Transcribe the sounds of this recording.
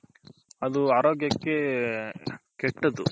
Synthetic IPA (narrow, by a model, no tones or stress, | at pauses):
ɐd̪uaːɾoːɡjɐkːe | kɛʈːɐd̪u